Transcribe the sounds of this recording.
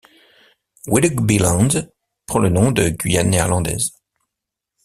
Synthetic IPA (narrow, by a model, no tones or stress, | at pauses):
widɡbilɑ̃d̪ | pχɑ̃lənɔ̃d̪əɡʲɥijanːɛɛʁlɑ̃d̪ɛ̰z